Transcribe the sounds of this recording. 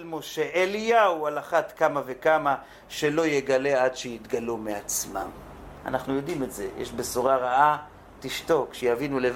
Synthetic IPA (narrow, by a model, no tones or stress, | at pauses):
lmoʃeʔelijaualaχat̪kamavekama | ʃe̞lo̞jeɡale̞adʃejit̪ɡalumeat͡sma̰m | a̰naχnujo̞dimetze̞jḛʃbesuʁaʁaʔa | tiʃto̞kʃejavinulev